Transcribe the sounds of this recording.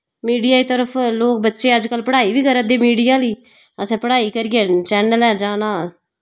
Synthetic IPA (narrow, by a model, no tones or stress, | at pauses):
miːɖijaːiːt̪əɾəpʰloːk̚bətːʃeːəd͡ʒkəlpəɽaːiːbiːkəɾəd̪eːmiːɖijaːliː | əsɛ̃ːpəɽaːiːkəɾiẽːt͡ʃɛːnəlɛːd͡ʒaːnaː